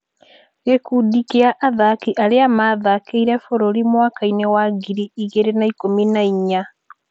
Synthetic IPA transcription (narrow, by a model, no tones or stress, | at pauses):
ekudikeaʔaðakiʔaleamaːðakeiɾefoɾoɾimwakainewaɡiɾiiɣeɾenaikominaiɲa